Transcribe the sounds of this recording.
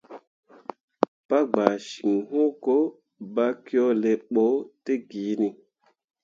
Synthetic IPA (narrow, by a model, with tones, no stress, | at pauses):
pa˦ɡ͡ba˨ʃi˨ŋhõ˦ko˦ | ba˦ki˦ɔ˦le˨ɓo˨˦te˦ɡiː˨˦ni˦